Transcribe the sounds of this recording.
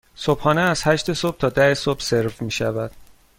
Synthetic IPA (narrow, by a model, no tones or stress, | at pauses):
sob̥hɒːneæz̥hæʃt̪e̞sob̥̚t̪ʰɒːd̪æhesob̥seɾfmiːʃævæd̪̥